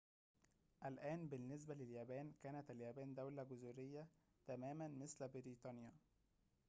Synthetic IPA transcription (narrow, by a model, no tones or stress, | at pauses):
ʔælʔæːnbɪnːes̬bælɪljæːbæːnkæːnæt̪æljæːbæːnd̪æwlæɡʊzuɾɪjːæ | t̪æmæːmænmɪslbɪɾiːt̪ˤɑnjæ